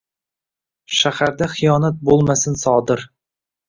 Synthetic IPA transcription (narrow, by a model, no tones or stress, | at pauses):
ʃæhæɾd̪æχijɑːnæt̪̚bolˠmæsɘnsɒːd̪ɤɾ